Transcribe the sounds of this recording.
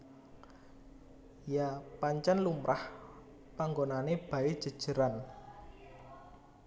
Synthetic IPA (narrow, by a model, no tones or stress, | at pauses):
japaɲt͡ʃanlumɾʔah | paŋɡonaneb̥a̤ed̥ʒ̥ə̤d̥ʒ̥ə̤ɾan